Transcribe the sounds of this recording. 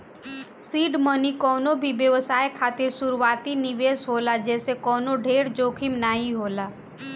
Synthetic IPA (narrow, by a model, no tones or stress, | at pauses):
siːɖmənikɔːnobʱibjəʋəsaːekʰaːt̪ɪɾsʊɾuaːt̪inɪʋeːsɦoːlad͡ʒɛːsekɔːnoɖʱeːɽd͡ʒoːkʰimnaːɦiɦoːlaː